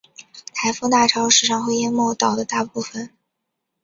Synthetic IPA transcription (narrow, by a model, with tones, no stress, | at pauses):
t̪ʰa˧˥ɪfu˥˧t̪a˥˩ʈ͡ʂʰɑ˥ʊʂɻ̩˨˥˩ʂɑ˥˧ŋxwe˥˧ɪjɛ˥˧nmo˥˩ʊt̪ɑ˨˩ʊd̪ə˦t̪a˥˧pu˥˩fə˨˩n